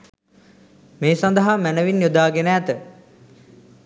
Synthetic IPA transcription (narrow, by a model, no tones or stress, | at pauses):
meːsand̪əɦamænəʋinjod̪aːɡenːt̪ə